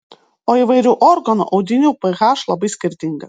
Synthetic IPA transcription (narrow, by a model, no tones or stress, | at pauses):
oːiʋɐɪɾʲuːʔɔɾɡɐnṵʔɐʊd̪ʲɪnʲuːpɛɣɑʃlˠɐbɐɪsʲkʲɪɾʲt̪ʲɪŋɡɐ